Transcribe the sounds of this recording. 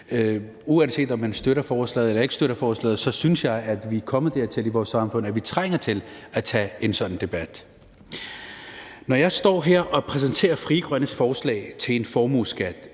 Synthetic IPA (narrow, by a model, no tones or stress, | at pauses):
uænse̝̰ːdɒ̽mːænsd̥øɾɐfɒːslɛ̰ːð̩ˠelɐe̝ɡ̥sd̥øɾ̥ɐfɒːslɛ̰ːð̞̩ˠsɒ̽synsjɑ̈ɪæd̥ʋikʰɒ̽məð̩ˠd̥ɛɐt͡sʰe̝liʋɒːsːɑ̈mfɔ̽n̰æʋit͡sʰʁaŋ̰ɐt͡sʰe̝læt͡sʰɛe̝nsɒ̽d̥n̩d̥e̝b̥æd̥ | nɒjɑ̈ɪsd̥ɒ̰ːɦeɐ̰ʔɒ̽pʰʁɛs̬ənt͡sʰe̝̰ːɐfʁiɡ̥ʁɶnəsfɒːslɛ̰ːɪt͡sʰe̝le̝nfɒːmusɡ̥æd̥